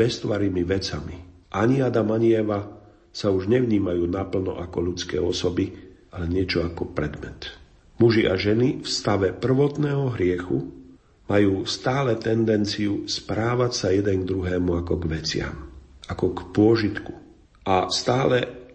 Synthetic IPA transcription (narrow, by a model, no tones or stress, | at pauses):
bɛst̪ʊaɾiːmiʋɛt͡samiʔaɲiad̪amaɲɪɛʋa | sauʒɲɛʋɲiːmajuːnapl̩nɔ̰ʔakɔʎut͡skɛ̰ːɔsɔbi | alɛɲɪɛt͡ʃɔakɔpɾɛd̪mɛ̰t̪ | muʒiʔaʒɛnifst̪aʋɛpr̩ʋɔt̪nɛːɦɔɦɾɪɛxu | majuːst̪aːlɛt̪ɛnd̪ɛnt͡siuspɾaːʋacsajɛd̪ɛŋɡ̚d̪ɾuɦɛːmuakɔɡʋɛt͡sɪa̰makɔkpʊɔʒit̪ku | ast̪aːlɛ